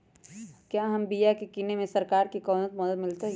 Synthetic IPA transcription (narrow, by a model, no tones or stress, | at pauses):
kjaːɦɐmbijakekiːnemẽsɐɾkaːɾkikɔːnət̪̚məd̪əd̪mɪlt̪eɦ